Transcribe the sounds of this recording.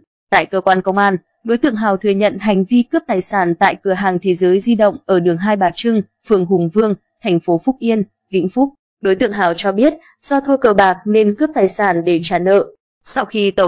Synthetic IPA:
t̪a̰ː˧˨jkəː˧kwaː˧nkə˧wŋ͡mʔaː˧n | ɗo˨˦jt̪ɨ̰˧˨əŋɦaː˨˩wt̪ʰɨ˨˩əɲə̰˧˨nɦa˨˩jŋ̟vi˧kɨ˦˥p̚t̪aː˨˩jsaː˧˩nt̪a̰ː˧˨jkɨ˧˩əɦaː˨˩ŋt̪ʰe˨˦zəː˨˦jzi˧ɗə̰˧˨wŋ͡mʔəː˧˩ɗɨ˨˩əŋɦaː˧jɓaː˨˩t͡ɕɨ˧ŋ | fɨ˨˩əŋɦʊ˨˩ŋ͡mvɨ˧əŋ | t̪ʰɛ˨˩jŋ̟fo˨˦fʊ˦˥k͡p̚ʔi˧ən | vḭ˧˥ŋ̟fʊ˦˥k͡p̚ | ɗo˨˦jt̪ɨ̰˧˨əŋɦaː˨˩wt͡ɕɔ˧ɓi˦˥ət̚ | z̥ɔ˧t̪ʰu˧kəː˧˩ɓaː˨˩k̚ne˧nkɨ˦˥p̚t̪aː˨˩jsaː˧˩nɗe˧˩t͡ɕaː˧˩nə̰ː˧˨ | sa˧wxi˧t̪ə˧˩

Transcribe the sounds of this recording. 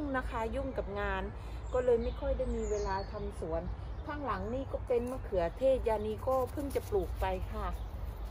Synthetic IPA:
ŋnaː˧kʰaː˧ju˥˩ŋka˨˩p̚ŋaː˧n | kɔː˥˩lɤː˧jma˥˩jkʰɔ˧˥˩jda˥˩jmiː˧weː˧laː˧t̪ʰa˧msu˨˩˦ənk̪ʰaː˧˥˩ŋla˩˦ŋniː˧˥˩kɔː˥˩pe˧nmaː˧˩˨kʰɯ˨˩˦ɐt̪ʰeː˥˩t̪̚jaː˧niː˧˩kɔː˥˩pʰɯ˧˥˨ŋt͡ɕa˨˩pluː˨˩k̚pa˧jkʰa˧˥˩

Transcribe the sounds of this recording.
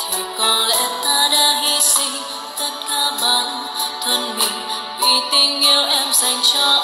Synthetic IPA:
t̪ʰi˨˩kɔ˨˩nlɛ̰˧˥t̪aː˧ɗaː˧ɦi˧sḭ˧˥ŋ | t̪ʰə˧˥t̚kaː˧ɓaː˨˦n | t̪ʰwə˧nhi˧˨ŋ | ʔḭ˧˩t̪i˧ŋːi˧əwʔɛ˧mza˨˩jŋ̟t͡ɕɔ˧

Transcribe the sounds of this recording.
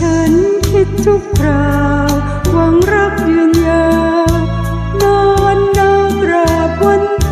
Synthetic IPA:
t͡ɕʰa˧˥nkʰi˧t̪̚t͡ɕ̪ʰu˧kʰɾaː˧˩w | wa˧˦ŋɾa˧˥˩p̚jɯ˧əŋja˧w | nɔ˧nːa˧˥mɾaː˧˩p̚wa˧˥n

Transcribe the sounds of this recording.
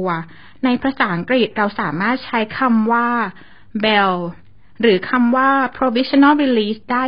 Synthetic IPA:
ɐ | na˧jpʰɾa˧saː˩˦ʔa˦ŋkɾi˨˩t̪̚ɾa˧wsaː˩˦maː˥˩t̪̚t͡ɕʰa˦˥jkʰa˧mwaː˥˩ | bɛ˧w | ɾɯː˩˦kʰa˧mwaː˥˩pʰɾo˧wi˦˥sʰna˥˩lɾi˧liː˦˥sdaː˥˩

